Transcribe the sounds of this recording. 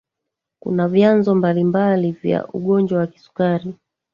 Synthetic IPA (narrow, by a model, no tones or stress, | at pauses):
kṵnavjanzɔmbalimbalivja̰ʔuɠɔnd͡ʒwawaki̥su̥kaɾi